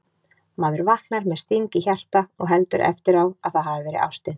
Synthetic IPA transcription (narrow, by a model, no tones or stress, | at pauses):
maːðʏɾvaht̪naɾmɛðst̪iɲcɪçar̥t̪aɔɣɦɛlt̪ʏɾʔɛ̰ft̪ɪɾawaðθaðɦaːvɪvɛːɾɪ̰ða̰wst̪ɪn